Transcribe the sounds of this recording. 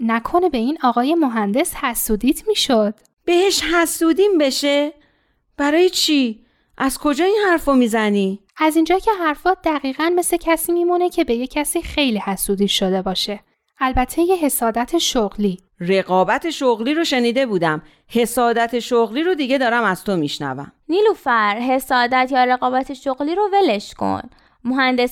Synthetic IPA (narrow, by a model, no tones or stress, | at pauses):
nækʰo̞nebe̞iːnɒːɣɒːje̞moɦænd̪e̞shæsuːd̪iːt̪ʰmiːʃod̪̥ | b̥e̞he̞ʃhæsuːd̪iːmbe̞ʃe̞ | b̥æɾɒːjet͡ʃʰi | ʔæzkʰo̞d͡ʒɒːinhæɾfɔmiːzæniæzind͡ʒɒːcʰe̞ɦæɾfɒːd̪æɣiːɣænme̞slecʰæsiːmiːmune̞cʰe̞be̞jecʰːæsiːxe̞jliːhæsuːd̪iːʃod̪e̞bɒːʃe̞ | ælbæt̪ʰːe̞jeɦe̞sɒːd̪æt̪ʰeʃoɣliː | re̞ɣɒːbæt̪ʰe̞ʃoɣliːɾoʃe̞niːd̪e̞buːd̪æm | he̞sɒːd̪æt̪ʰe̞ʃoɣliːɾod̪iɟe̞d̪ɒːɾæmæz̥t̪ʰomiʃnæ̰væ̰mniːlufæɾɦe̞sɒːd̪æt̪ʰjɒːɾe̞ɣɒːbæt̪ʰeʃoɣliːɾove̞leʃkʰo̰n | moɦænd̪es